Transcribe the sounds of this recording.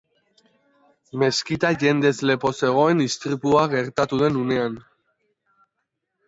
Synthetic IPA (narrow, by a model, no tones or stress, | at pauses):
me̞skit̪aʝe̞nd̪e̞zle̞po̞se̞ɣ̞o̞e̞nist̪ɾipuaɣe̞ɾt̪at̪uð̞e̞nune̞an